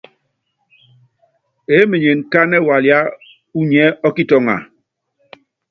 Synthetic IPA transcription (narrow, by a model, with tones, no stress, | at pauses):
e˦me˨ɲe˨n˨ka˦nɛ˦˨wa˨lja˦ | u˦ɲɛ˦ɔ˦ki˦tɔ˨ŋa̰˨